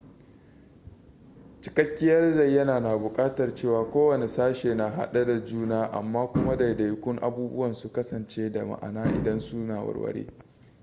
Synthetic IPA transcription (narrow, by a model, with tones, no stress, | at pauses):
t͡ʃɪ̥˦kɐ˦kʲːɪ˦jɐ˦rzɐ˦˨jːɐ˦naː˨naː˨bʊ˨kʼaː˦tɐ˨rt͡ʃeː˦˨waː˨kʷoː˦wɐ˨ne˨saː˦ʃeː˨na˨ɦa̰˦ɗa˦da˨d͡ʒuː˦naː˦ʔa̰˨mːaː˦kʷʊ˦ma˦da˨da˨jkʷʊ˦ŋʔa̰˨buː˦bʊ̰˦wɐ˨nsu˨kɐ˦sɐ˨nt͡ʃeː˦da˨ma̰˨ʔa̰˨naː˦ʔɪ̰˨dɐ˦nsu˦naː˨wɐ̰˨rwɐ̰˦ɽḛː˦